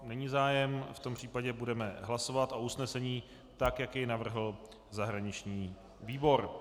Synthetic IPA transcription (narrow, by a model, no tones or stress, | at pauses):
nɛɲiːzaːjɛmft̪ompr̝̥iːpaɟɛbudɛmɛɦlasovat̪ʔo̞usnɛsɛɲiː | t̪akjakjɛjnavr̩ɦl̩ | zaɦɾaɲɪt͡ʃɲiː | viːbo̞ɾ